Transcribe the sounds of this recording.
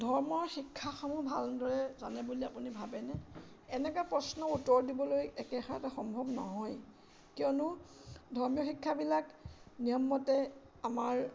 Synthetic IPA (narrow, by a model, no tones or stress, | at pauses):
dʱɔɹmɔɹxikʰːaxɔmubʱaldɔɹɛza̰nɛbuliapunibʱabɛnɛ | ɛnɛkapɹɔsnɔutːɔɹdibɔlojɛkɛxɔataxɔmbʱɔbnɔ̰ɦɔj | kiɔnʊdʱɔɹmijɔxikʰːabilaknijɔmːɔtɛ | amaɹ